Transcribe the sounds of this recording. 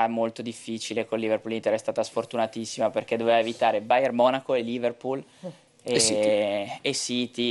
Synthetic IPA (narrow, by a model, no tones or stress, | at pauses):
amolt̪od̪ifːiːt͡ʃilekonlːiverpulint̪eɾɛst̪aːt̪asfort̪unat̪isːimaperk̟ed̪oveːvaevit̪aːɾebajermɔːnakoeliːverpul | e | esiːt̪i